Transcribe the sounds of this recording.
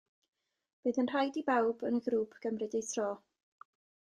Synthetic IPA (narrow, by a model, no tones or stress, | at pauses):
b̥eːðənr̥ajdibawbənəɡɾuːpʰɡ̥əmrɨdejθʰrɔː